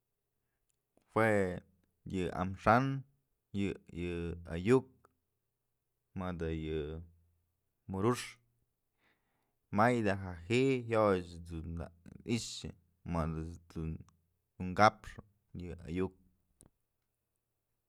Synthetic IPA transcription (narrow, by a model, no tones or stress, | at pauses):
hwe | jɨa̰mʂan | jɨjɨa̰juk̚ | mad̪ɨjɨ | muɾuʂ | majd̪aɦaɦiʔhjot͡ʃd̪unaiʂɨ̰ | mad̪ɨu̥ | uŋkapʂɨ | jɨa̰juk̚